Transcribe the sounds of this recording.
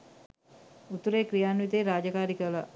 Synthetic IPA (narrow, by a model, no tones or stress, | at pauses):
ut̪uɾeːkɾijaːnʋit̪eːɾaːd͡ʒəkaːɾikəla̰